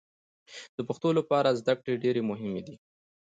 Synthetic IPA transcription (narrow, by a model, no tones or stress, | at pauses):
d̪̥əpəxt̪olapɑɾazd̪akɽeɖeɾemʊɦɪmed̪i